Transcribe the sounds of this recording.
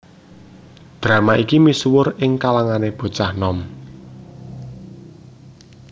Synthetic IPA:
d̪̥ɾa̤maʔikimiswʊɾɪŋkalaŋaneb̥o̤t͡ʃahnɔm

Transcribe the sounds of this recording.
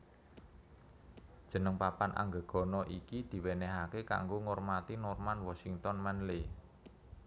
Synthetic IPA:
d̥ʒ̥ə̤nəŋpapanʔa̰ŋɡə̤ɡ̥ɔ̤nɔʔikid̪̥i̤weneɦakeka̰ŋɡoŋormat̪inɔrmanwɔsiŋt̪ɔnmanle

